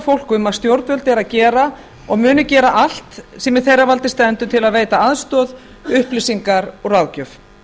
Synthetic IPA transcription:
fowlkʏmaðst̪jowɾt̪vœlt̪ɛɾaðcɛːɾa | ɔɣmʏːnʏcɛːɾaʔal̥t̪sɛmɪðθejravalt̪ɪst̪ɛnt̪ʏt̪ʰɪlaðveːjt̪aaðst̪ɔːð | ʏhplɪsiŋkaɾɔɣraːwcœf

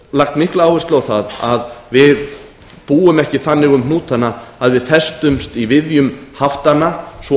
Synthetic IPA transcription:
laxt̪mihklaaːwvɪst̪lawθaðaðvɪð | puːʏmɛhcɪθanːɪɣʏmnuːt̪anːaaðvɪðfɛst̪ʏmst̪ivɪðjʏmhaft̪anːasvɔ

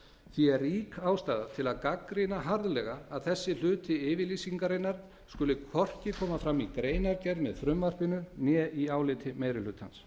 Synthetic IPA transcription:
θiɛɾiːkaːwst̪aːðat̪ʰɪlaðkakɾɪnaɦaɾðlɛɣaːðθɛsːɪl̥ʏːt̪ɪɪːvɪliːsiŋkaɾɪnːaɾ̥ | skʏlɪkʰvɔr̥cɪkʰɔːmafɾamikɾeːjnaɾcɛɾðmɛðfɾʏmvar̥pɪnʏnjɛiaːwlɪːt̪ʰɪmeːjɾɪlʏːt̪ha̰ns

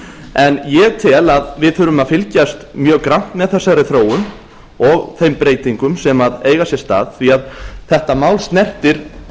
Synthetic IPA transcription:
ɛnjɛɣt̪ʰɛːlaðvɪðθʏɾʏmaðfɪlcast̪mjœːɣkɾawn̥t̪mɛðθɛsːaɾɪθɾoːwʏm | ɔɣθejmpɾeːjt̪iŋkʏmsɛmaðeːjɣasjɛst̪a̰ːðθviaðθɛht̪amaːwlst̪nɛr̥t̪ɪɾ̥

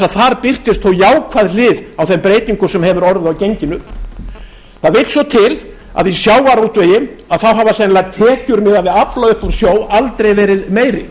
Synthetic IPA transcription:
aðθaɾpɪr̥t̪ɪst̪θowjaːwkʰvaðlɪːðawθɛmpɾeːjt̪niŋkʏsɛmhɛvʏɾɔɾðʏawcejɲcɪnʏ | θaðvɪlsvɔt̪ʰɪl | a̰ðvisjaːwaɾut̪veːjɪ | aðθawɦavasɛnlat̪ʰɛːcʏɾmɪðaðvɪðaplaʏhpɔɾ̥sjoːwalt̪ɾejvɛːɾɪðmeːjɾɪ

